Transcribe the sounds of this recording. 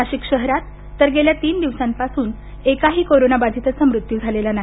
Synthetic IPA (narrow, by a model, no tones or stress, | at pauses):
aɕikɕəɦɾat̪ː | əɾɡeljat̪iːnd̪iʋsãmpasuːn | ekaɦiːkoɾonabad͡zʱit̪ət͡samɾut̪jud͡zʱalelana